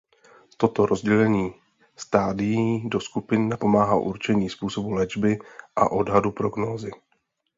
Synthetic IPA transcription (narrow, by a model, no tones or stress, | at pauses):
t̪o̞t̪o̞ɾʔo̞zɟɛlɛɲiː | st̪aːdɪjido̞skupɪnnapo̞maːɦalʔuɾt͡ʃɛɲiːspuːso̞bulɛd͡ʒbɪʔa̰ʔo̞dɦadupɾo̞ɡnoːzɪ